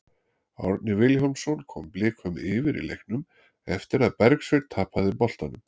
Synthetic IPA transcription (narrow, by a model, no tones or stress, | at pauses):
a̰wɾt̪nɪvɪljɦɔnsɔnkʰɔmplɪːkʰʏmɪːvɪɾḭlḛjknʏm | ɛft̪ɪɾaðpɛɾksvʏɾt̪ʰaːpaðɪpɔl̥t̪anʏm